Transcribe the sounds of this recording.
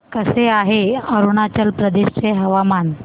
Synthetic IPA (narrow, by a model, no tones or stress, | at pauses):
kəseaɦeəɾuɳat͡ɕəlpɾəd̪eɕt͡seɦəʋaman